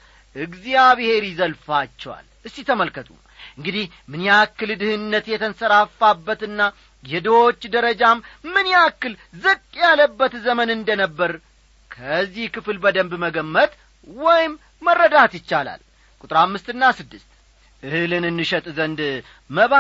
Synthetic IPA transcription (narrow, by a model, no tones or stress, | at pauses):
ʔɨɡzijaβhe̞ɾizəlfat͡ʃːɛwa̰lʔɨsːit̪ʰəməlkət̪ʼṵ | ʔɨŋɡɨd̪ih | mɨnjakːɨld̪ɨhɨnːət̪jɛt̪ʰənsəɾafːabːət̪ɨnːa | jɛd̪əwot͡ʃːd̪əɾəd͡ʒammɨnjakːɨlzɨkʼjaləbːət̪zəmənɨnd̪ənəbːəɾ | kʰəzːihkɨflbəd̪əmbməɡəmːət̪ʼ | wɔjɪmː | ərːəd̪at̪jɪt͡ʃːala̰l | kʼut̪ʼɾamːɨst̪ɨnːasɨd̪ːɨst̪ | ʔɨhɨlɨnɨnːɨʃət̪ʼzənd̪ | məβ